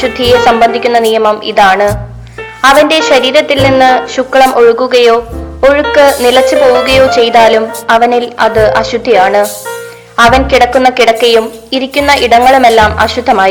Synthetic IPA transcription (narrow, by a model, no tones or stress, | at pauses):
ɕud̪ʱːijesɐmbɐnd̪ʱikʲːunːɐnijɐmɐmḭðaːɳɨ | ɐʋɐnde̞ɕɐɾiːɾɐt̪ːilninːɨɕukːɐɭɐmʔo̞ɻukːuɣɐjo̞ːoɻukːɨnilɐt͡ɕːɨpo̞ːʋuɣɐjo̞ːt͡ɕe̞jt̪aːlumɐʋɐnilɐðɨʔɐɕud̪ʱːijaːɳɨ | ɐʋɐnkiɽɐkːunːɐkiɽɐkːɐjum | iɾikʲːunːɐʔiɽɐŋːɐɭume̞lːaːmɐ̰ɕud̪ʱːɐmaːji